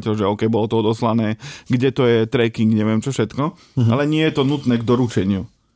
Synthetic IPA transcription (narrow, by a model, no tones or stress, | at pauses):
cɛlʒɛɔːkɛjbɔlɔt̪ɔɔd̪ɔslanɛːɡɟɛt̪ɔjɛt̪ɾɛkiŋɡɲɛʋɪɛmt͡ʃɔfʃɛt̪kɔ | alɛɲɪɛjɛt̪ɔnut̪nɛːɡd̪ɔɾut͡ʃɛɲɪu